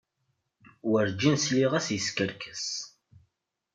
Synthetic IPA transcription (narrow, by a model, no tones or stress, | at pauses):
wəɾd͡ʒinsliʁæsjəskəɾkʰə̥s